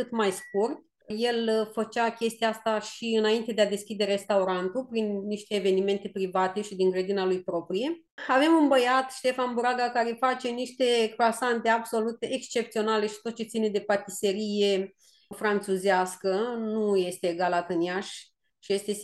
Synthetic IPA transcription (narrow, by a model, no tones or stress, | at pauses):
kɨt̪majskurt̪̚ | je̞lfət͡ʃakʲe̞st̪ijaast̪aʃiɨnaint̪e̞d̪ead̪e̞skʲid̪e̞ɾe̞st̪auɾant̪upɾinːiʃt̪e̞ːve̞nime̞nt̪e̞pɾivat̪e̞ʃid̪iŋɡɾed̪inalujpɾo̞pɾije̞ | ave̞munbəjat̪ʃt̪e̞fanbuɾaɡakaɾefat͡ʃe̞niʃt̪e̞kɾoasant̪e̞abso̞lut̪eʔekst͡ʃe̞pt̪sio̞nale̞ʃit̪ot̪̚t͡ʃe̞t̪sine̞d̪e̞pat̪ise̞ɾije̞ | fɾant͡ʃuzeaskənuje̞st̪e̞ɡalat̪ɨnjaʃ | ʃije̞st̪e̞